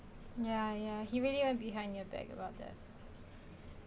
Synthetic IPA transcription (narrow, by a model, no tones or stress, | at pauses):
jæjæhiɹiliwɛ̃nb̥iɦãɪ̃ndjəbæ̰ɡə̰baʊt̪̚ðæ̰t̚